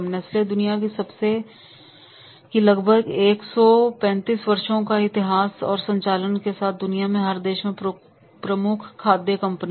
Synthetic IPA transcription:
mneɪsled̪ʊnijakisɐbse | kilɐɡbʱəɡeːksɔpɛ̃ːnt̪iːsʋɐɾʃõkaɪt̪ɪɦaːsɔ̰ːɾsɐ̃ɲt͡ʃaːlənkesaːt̪̚ʰd̪ʊnijamẽɦɐɾd̪eːʃmẽ | pɾəmʊkʰːaːd̪jekɐ̃mpn

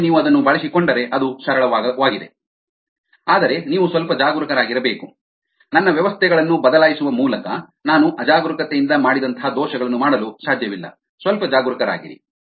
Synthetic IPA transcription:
niːʋuɐd̪ɐnːubɐɭisikoɳɖɐɾe̞ʔɐd̪usɐɾɐɭɐʋaːɡid̪e̞ | aːd̪ɐɾe̞niːʋusʋɐlpɐd͡ʒaːɡuɾɐkɐɾaːɡiɾɐbe̞ːku | nɐnːɐʋjɐʋɐst̪ʰɛɡɐɭɐnːubɐd̪ɐlaːjisuʋɐmuːlɐkɐ | naːnuʔɐd͡ʒaːɡɾukɐt̪ejind̪ɐmaːɽid̪ɐnt̪ʰɐɦad̪ɔːʃɐɡɐɭɐnːumaːɽɐlusaːd̪ʱjɐʋilːɐ̰ | sʋɐlpɐd͡ʒaːɡuɾɐkɐɾa̰ːɡḭɾḭ

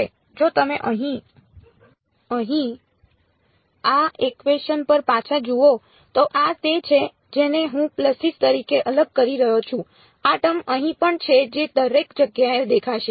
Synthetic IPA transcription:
e | d͡ʒot̪əmeʔəɦĩ | əɦĩ | aʔekʋeʃənpəɾpat͡ʃʰad͡ʒuo | t̪oʔat̪et͡ʃʰe | d͡ʒeneɦũpləsist̪əɾikeʔələɡ̚kəɾiɾəɦot͡ʃʰũ | aʈəməɦĩpəɳt͡ʃʰed͡ʒed̪əɾekd͡ʒəɡjaed̪ekʰaʃe

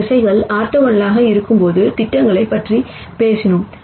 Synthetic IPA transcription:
ɪsɐɪɣɐɭaːɾt̪ɐʋɐnɐlaːɣɐɪɾɯkːɯmpoːðɯt̪ɪʈːɐŋɡɐɭɐɪpːɐʈri | peːsɪnɯm

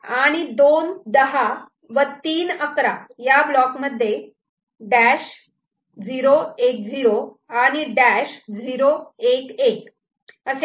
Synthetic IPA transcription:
aɽ̃id̪ond̪əɦa | ʋət̪iːnəkɾajablɔkməd̪ʱːje | ɖæɕ | d͡ziɾoek̚d͡ziɾo | aɽ̃iɖæɕd͡ziɾoekek | əse

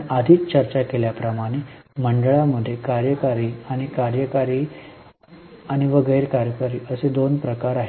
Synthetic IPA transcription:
ad̪ʱiːt͡st͡ɕəɾt͡ɕakeljapɾəmaɽ̃e | məɳɖəɭaməd̪ʱːjekaɾjəkaɾiːaɽ̃ikaɾjəkaɾiː | aɽ̃iʋəɡəjɾkaɾjəkaɾiːʔəsed̪onpɾəkaɾaɦe

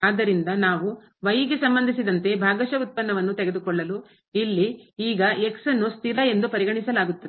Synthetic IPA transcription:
aːd̪ːɐɾind̪ɐnaːʋu | ʋɐjiɡesɐmbɐnd̪ʱisid̪ɐnt̪e̞bʱaːɡɐʃɐut̪̚pɐnːɐʋɐnːut̪ɛɡe̞d̪ukɔɭːɐlu | ilːiiːɡɐeksɐnːust̪ʰilɐe̞nd̪upɐɾiɡɐɳisɐlaːɡut̪ːɐ

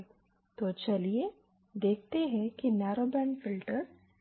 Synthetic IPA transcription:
t̪ot͡ʃɐlie | d̪eːk̚ʰt̪eɦɛ̃kinɛːɾoːbɛ̃ːɳɖfɪlʈəɾ

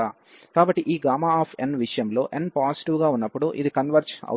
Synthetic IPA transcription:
aː | kaːbɐʈːiʔiːɡaːmaːaːpʰenʋiʂɐjɐmlo̞ːʔenpaːsiʈiʋɡaːunːɐpːuɽuʔid̪ikɐnʋɐɾt͡ʃɐ̰

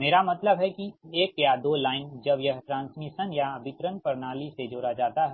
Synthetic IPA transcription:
meːɾamɐt̪ləbɦɛkieːkjad̪oːlaːɪnd͡ʒɐbjɐɦʈɾãːnsmiʃənjabʱɪt̪ɾənpɐɾnaːlised͡ʒoːɾad͡ʒaːt̪aɦɛ

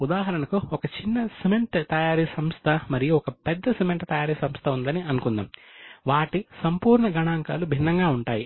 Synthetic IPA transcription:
ud̪aːɦɐɾɐɳɐkuɔkɐt͡ʃinːɐsemeɳʈt̪ɐjaːɾisɐmst̪ʰɐmɐɾijuɔkɐpɛd̪ːɐsemeɳʈt̪ɐjaːɾiːsɐmst̪ʰɐund̪ɐniɐnukund̪a̰ːmʋaːʈisɐmpuːɾɳɐɡɐɳaːŋkaːlubʱinːɐŋɡaːuɳʈaːji

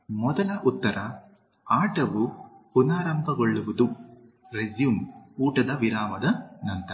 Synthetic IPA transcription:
mɔd̪ɐlɐʔut̪ːɐɾɐ | aːʈɐʋupunaːɾɐmbʱɐɡoɭːuʋud̪u | ɾed͡ʒjumuːʈɐd̪ɐʋiɾaːmɐd̪ɐnɐnt̪ɐɾ

